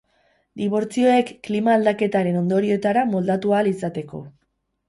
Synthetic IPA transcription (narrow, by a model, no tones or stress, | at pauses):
d̪iβ̞o̞ɾt͡sio̞e̞kːlimaːld̪ake̞t̪aɾe̞no̞nd̪o̞ɾio̞t̪aɾamo̞ld̪at̪ualisat̪e̞ko̞̰